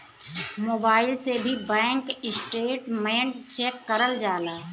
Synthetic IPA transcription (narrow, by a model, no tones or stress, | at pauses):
moːbaːɪlsebʱibɛ̃ːŋkɪsʈeːʈmẽːɳʈt͡ʃekːɐɾəld͡ʒaːlaː